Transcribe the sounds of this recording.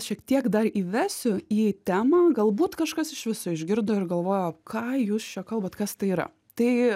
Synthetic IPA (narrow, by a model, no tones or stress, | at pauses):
ʃʲiɛkt̪ʲiɛkd̪ɐriːʋʲæːsʲʊiːt̪ʲæːmɑːɡɐlˠbuːt̪kɐʃkɐsɪʃʋʲɪsʊɪʒʲɡʲɪɾd̪oːɪɾɡɐlˠʋoːjokʰɑːjuːst͡ʃʲɛkɐlˠbɐːt̪kɐst̪ɐɪiːɾɐ̰ | t̪ɐɪ